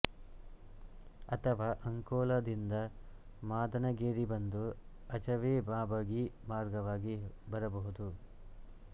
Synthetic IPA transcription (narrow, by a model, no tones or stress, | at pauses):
ɐt̪ʰɐʋaːʔɐŋkɔːlad̪ind̪ɐ | maːd̪ɐnɐɡeːɾibɐnd̪u | ɐt͡ʃɐʋeːbaːbɐɡimaːɾɡɐʋaːɡibɐɾɐbɐɦud̪u